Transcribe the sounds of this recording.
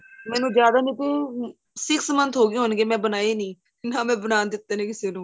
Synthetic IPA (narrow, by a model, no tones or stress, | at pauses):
mɛ̃ːnũːd͡ʒjaːd̪aːnĩːt̪eː | sɪkʰsəmənt̪ʰɦoːɡeːɦonɡeːmɛ̃ːbənaːeːnĩː | nãːmɛ̃ːbənaːnd̪ɪt̪ːeːnẽːkɪseːnũː